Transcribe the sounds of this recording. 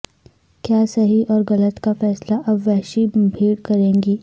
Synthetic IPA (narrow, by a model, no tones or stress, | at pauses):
kjaːsɐɦiʔɔːɾɣɐlət̪kafɛːslaʔɐbʋɛːʃibʱiːɽkɐɾẽːŋɡiː